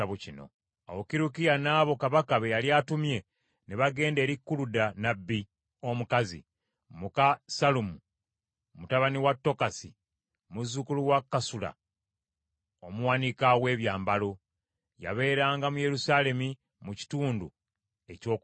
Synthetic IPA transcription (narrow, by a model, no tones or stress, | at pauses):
aβucino̞̰ | awokiɾukijanaːβo̞kaβakaβejaljatumje̞ | neβaɡe̞ːnde̞ːɾikːuludanabːi | o̞mukazḭ | mukasalumu | mutaβaniwatːo̞kasi | muzːukuluwakːasula̰ | omuwanikawe̞ːβjaːmbalo | ja̰βe̞ːɾaːŋɡamuje̞ɾusale̞mi | muci̥tuːndu | e̞co̞ːk